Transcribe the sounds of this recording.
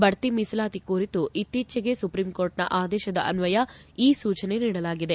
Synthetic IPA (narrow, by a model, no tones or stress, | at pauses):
bɐɽt̪imisɐlaːt̪ikuːɾit̪uʔit̪ːiːt͡ʃɐɡe̞supɾimkoːɾʈnɐ̰ʔaːd̪ɛːʃɐd̪ɐʔɐnʋɐjɐiːsuːt͡ʃɐne̞niːɽɐlaːɡid̪e̞